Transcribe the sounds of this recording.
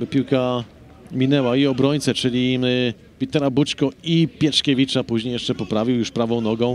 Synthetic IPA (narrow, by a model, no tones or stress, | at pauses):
bɔpʲiwka | mʲinɛwaiɔbɾɔɲt̪sɛt͡ʂɘlʲi | pʲit̪ɛɾabut͡ʂkɔipʲjɛʂkʲɛvʲit͡ʂapuʑɲejɛʂt͡ʂɛpɔpɾavʲiwjuʂpɾavɔ̃w̃nɔɡɔ̃w̃